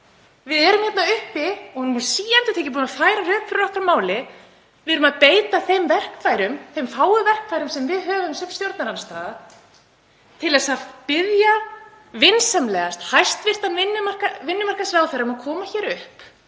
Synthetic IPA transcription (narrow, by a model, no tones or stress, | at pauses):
vɪðɛːɾʏmçɛt̪naʏhpɪɔhnmunsiːjant̪ʏt̪eːjcɪp̬uːnafaːjɾaɾʏːkfɪɾɪɾɔhkɾaɾmaːwlɪ | vɪðɾʏmaðpeːjt̪aθejmvɛr̥kfajɾʏmθejmfaːwʏvɛr̥kfajɾʏmsɛmvɪðɦœːvʏmsʏpst̪jowɾt̪naɾanst̪aːða | t̪ʰɪlɛsaðpɪðja | vɪnsamlɛːɣast̪hajst̪vɪr̥t̪anvɪnːʏmar̥kavɪnːʏmar̥kasɾaːwθɛjɾamaðkʰɔːmaçɛːɾʏhp